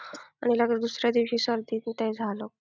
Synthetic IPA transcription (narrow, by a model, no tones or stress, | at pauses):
aɽ̃iləɡɾd̪usɾjad̪iʋɕiːsəɾd̪ʱiːt̪t̪ɛjd͡zʱalo